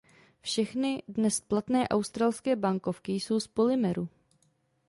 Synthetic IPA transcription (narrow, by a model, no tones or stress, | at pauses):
fʃɛxnɪdnɛsplat̪nɛːʔawst̪ɾaːlskɛːbaŋko̞fkɪjso̞wspo̞lɪmɛɾu